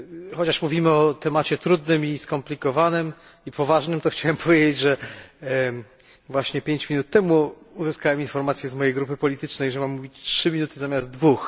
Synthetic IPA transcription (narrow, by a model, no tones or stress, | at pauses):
xɔt͡ɕaʂmuvʲimɘɔt̪ɛmat͡ɕɛt̪ɾud̪nɘmiskɔmplʲikɔvanɘm | ipɔvaʐnɘmt̪ɔxt͡ɕawɛmpʰɔvʲjed͡ʑed͡ʑʐɛ | vwaɕɲɛpʲjeɲt͡ɕmʲinut̪ːɛmu | uzɨskawɛminfɔɾmat̪sʲjɛzmɔjejɡɾupɘpɔlʲit̪ɘt͡ʂnɛjʐɛmamːuvʲit͡ɕtʂɘmʲinut̪ɘzamʲazd̪̚d̪vux